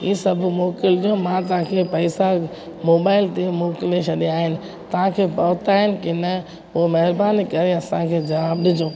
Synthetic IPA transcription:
iːsɐbʱʊmoːkɪld͡ʑõmãt̪ɐʋ̤ãkʰepɐːɪsa | moːbaːɪlt̪emoːkɪlet͡ɕʰɐɗiaːɦɪnɪ̆ | t̪ɐʋ̤ãkʰeːpɐːt̪aːɦɪnɪ̆kɪnɐ | omɛɦɪɾbaːnikɐɾeɐsãkʰeːd͡ʑɐʋaːbɗɪd͡ʑõː

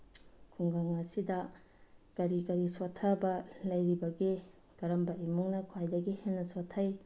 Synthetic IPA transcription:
kʰuŋɡaŋɐsidɐ | kɐɾikɐɾisotʰːɐbɐlɐjɾibɐɡi | kɐɾɐmbɐimuŋnɐkʰwajdɐɡihenːɐsotʰːɐj

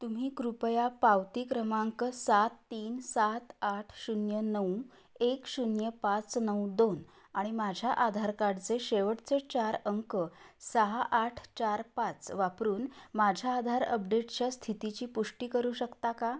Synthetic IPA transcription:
t̪um̤iːkɾupəjapawt̪iːkɾəmaŋkəsat̪ːiːnsat̪aʈʰɕunjənəu | ekɕunjəpat͡snəwd̪on | aɽ̃imad͡ʑʱjaʔad̪ʱaɾkaɽt͡seɕeʋəʈt͡set͡ɕaɾəŋkəsəɦaʔaʈʰt͡ɕaɾpat͡sʋapɾuːnmad͡ʑʱjaːd̪ʱaɾəp̚ɖeʈt͡ɕjast̪ʰit̪it͡ɕiːpuʂʈiːkəɾuːɕəkt̪aka

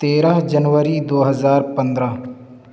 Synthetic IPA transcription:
t̪eːɾəɦd͡ʒənʋəɾiːd̪oːɦəzaːɾpə̃nd̪ɾaː

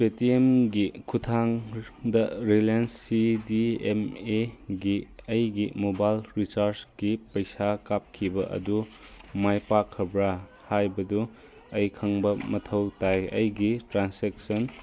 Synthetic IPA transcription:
petiemɡikʰutʰaŋdɐɾilensːidiemeɡiɐjɡimobajlɾisaɾsɡ̥ipɐjsakap̚kʰibɐʔɐ̰dumajpakʰːɐbɾa | hajbɐdu | ɐjkʰɐŋbɐmɐtʰɐwtajɐ̰jɡitɾansek̚sɐn

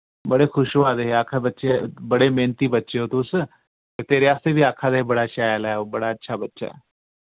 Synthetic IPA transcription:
bəɽexʰʊʃʋaːd̪eɦeaːkʰabətːʃebəɽemeːnt̪iːbətːʃeɦot̪ʊs | et̪eːɾeaːst̪ebʱiaːkʰaːd̪eɦebəɽaʃaːjəlɛobəɽaətːʃʰaːbətːʃa̰ː

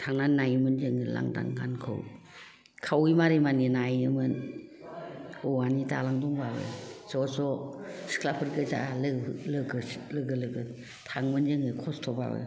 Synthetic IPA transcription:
tʰaŋnanajmɯnzɯŋɯla̰ŋda̰ŋɡankʰɯ̰w | kʰawimaɾimaninajɯmɯn | ɔwanitalaŋdɔŋbabɯ̰zɔsɔskʰlapʰɯɾɡɯza̰lɯlɯɡɯlɯɡɯlɯɡɯ | tʰaŋmɯnzɯŋɯkʰɔstʰɔba̰bɯ̰

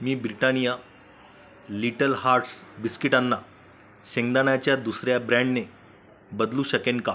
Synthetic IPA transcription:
miːbɾiʈanija | liʈəlɦaɾʈsbiskiʈanːa | ɕeŋɡd̪anjat͡ɕjad̪usɾjabɾɛ̃ɳɖne | bəd̪luːɕəkenka

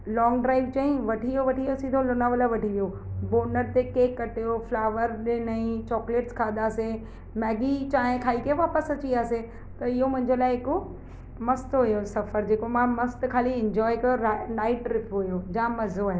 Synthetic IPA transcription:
lɔːŋɡɖɾaːɪʋt͡ɕaːɦĩʋɐʈʰiʋijoʋɐʈʰiosĩd̪ʱolʊnaːʋələʋɐʈʰiʋijoboːnəɾt̪ekeːkːɐʈjoflaːʋəɾɗɪnəĩt͡ɕɔːkleːʈskʰaːd̪aːsẽ | mɛːɡit͡ɕaːɦẽkʰaːikɐoʋaːpəsɐt͡ɕiaːse | t̪ɐɪɦomʊ̃ɦɪ̃ɲd͡ʑolaːɪɦɪko | mɐst̪ɦʊjosɐfəɾd͡ʑeːkomãmɐst̪kʰaːliɪ̃ɲd͡ʑɔːɪkɐjonaːɪʈɾɪpʰɦʊjod͡ʑãːmɐzoaːɦ

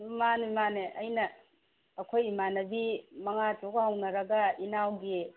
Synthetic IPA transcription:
manemaneʔɐjnɐː | kʰojimanɐbimɐŋatokhawnɐɾɐɡɐinawɡi

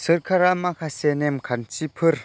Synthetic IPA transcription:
səɾkʰaɾamakʰasenemkʰant͡sipʰɯr

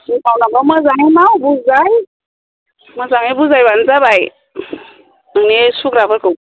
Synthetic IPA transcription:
ipʰawnabaməzaŋimawbuzaj | məzaŋebuzajbanzabaj | ɯŋnesukɾabɯɾkʰɯw

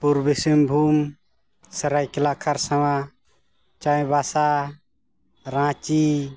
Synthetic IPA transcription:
puɾbisimbʱum | səɾajkilakʰaɾsawa | t͡ʃaj̃basa | ɾãt͡ʃi

